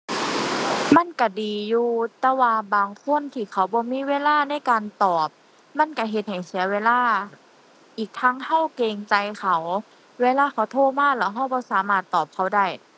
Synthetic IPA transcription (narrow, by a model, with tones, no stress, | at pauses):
ma˧˥˨nka˧˩diː˨juː˧t̪ɛː˧waː˧baː˨˧ŋkʰo˧˥˨nt̪ʰiː˧˩xʰa˧˩wbɔː˧˦miː˧˥˨weː˧˥˨laː˧˥˩na˧˥˨jkaː˧nt̪ɔː˨˩p̚ | ma˧˥˨nka˧˩ɦe˧t̪̚ha˨˩jsi˨˦ɐweː˧˥˨laː˧˥˩ | ʔiː˨˩k̚t̪ʰaː˧˥˨ŋha˧˥˨wkeː˧ŋt͡ɕa˧jxʰa˧˩w | weː˧˥˨laː˧˥˨xʰa˧˩wt̪ʰoː˧˨maː˧˥˨lɛː˧˩ɦa˧˥˩wbɔː˧˦saː˨˦maː˧˩t̪ːɔː˨˩p̚kʰa˧˩wda˧˩j